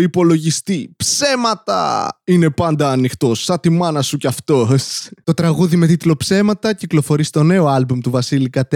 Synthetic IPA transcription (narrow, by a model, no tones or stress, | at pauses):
ipo̞lo̞ʝist̪ipse̞mɐt̪ɐ̰ine̞pɐnd̪ɐːnixt̪o̞sːɐt̪imɐnɐsucɐft̪o̞st̪o̞t̪ɾɐɣuðime̞t̪it̪lo̞pse̞mɐt̪ɐciklo̞fo̞ɾisi̥t̪o̞ne̞oɐlbumt̪uvɐsilikɐt̪e